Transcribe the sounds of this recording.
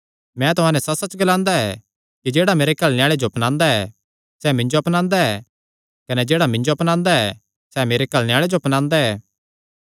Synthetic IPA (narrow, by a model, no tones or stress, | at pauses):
mɛ̃t̪ʊɦãːnɛsɐsɐt͡ʃɡɐlãːnd̪aɛ | kid͡ʒeːɽameːɾekɐlnejaːɭed͡ʒoɐpnãːnd̪aɛ | sɛmɪ̃ɲd͡ʒoɐpnãːnd̪aɛ | kɐnɛd͡ʒeːɽamɪ̃ɲd͡ʒoɐpnãːnd̪aɛ | sɛmeːɾekɐlneɪjaːɭed͡ʒopnãːnd̪aɛː